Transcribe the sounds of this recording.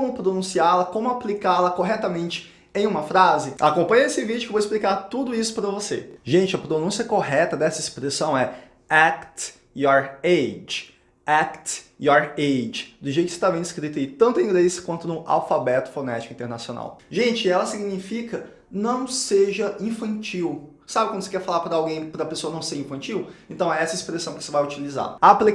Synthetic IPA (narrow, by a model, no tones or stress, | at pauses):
kõmʊpɾonũsialɐkõmʊaplikalɐkoɦɛt̪ɐmẽnt͡ʃɪ̥ | ẽj̃ũmɐfɾazɪa̰kõmpɐ̃ɲɐesɪvid͡ʒʊevoɪsplikaɾt̪ud̪ʊisʊ̥pɾɐvoseʒẽnt͡ʃɪɐpɾonũsiɐkoɦɛt̪ɐd̪ɛsɐespɾesɐ̃w̃ɛ | akt̪ | jɔɾed͡ʒɪ | akt̪jɔɾejd͡ʒɪd̪ʊʒejt̪kɪset̪avẽj̃d̪ɪskɾit̪ɐit̪ɐ̃nt̪ʊɐĩɡlesɐ̥kwɐ̃nt̪ʊd̪ʊ̃a̰wfabɛt̪ʊ̥fonɛt͡ʃikʊĩt̪eɾnasiona̰wʒẽnt͡ʃɪɛlɐsiɡinifikɐ | nɐ̃w̃seʒɐĩfɐ̃nt͡ʃiw | sabɪkɐ̃mdʊsekɛɾfalaɾpɾɐawɡẽj̃pɾɐpesoɐnɐ̃w̃seɾĩfɐ̃t͡ʃiwẽnt̪ɐ̃w̃ɛɛsɐispɾesɐ̃w̃kɪ̥osevajut͡ʃiliza̰apli